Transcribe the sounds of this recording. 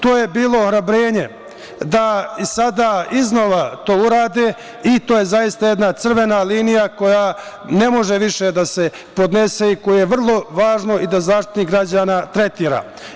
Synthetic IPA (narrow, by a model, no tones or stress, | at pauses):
t̪o̞ːje̞biːlˠo̞ːxɾabɾeːɲe̞ | d̪aisad̪aːiznoʋat̪o̞ːuɾaːd̪e | it̪oːjezajist̪ajed̪nat̪sr̩ʋe̞naliːnijako̞ja | ne̞mo̞ʒeʋiʃed̪ase̞ | po̞d̪ne̞se̞ikojejeʋr̩lˠo̞ʋaːʒno̞id̪azaːʃt̪i̥t̪nikɡɾad͡ʑaːnaːt̪ɾe̞t̪iːɾa̰ː